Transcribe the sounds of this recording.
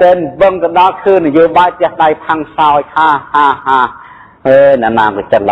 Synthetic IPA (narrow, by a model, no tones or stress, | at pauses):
t̪ɛːnʋɨŋt̪ɨɗɑlkʰɨːnːajoːɓaːjt̪ɛ̆əhɗajpʰaŋsaɔjkʰaːhaːhaː | ʔəːjnɛ̰ʔnaːkɔt͡ɕət̪̚la